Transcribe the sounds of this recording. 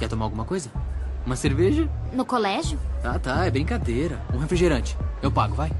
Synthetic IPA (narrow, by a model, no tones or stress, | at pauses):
kɛt̪omaɾawɡũmɐkojzɐũmɐseɾveʒɐnʊkolɛʒjʊt̪at̪aɛbɾĩkad̪eɾɐũɦefɾiʒeɾɐ̃t͡ʃɪ̥ewpaɡʊvaj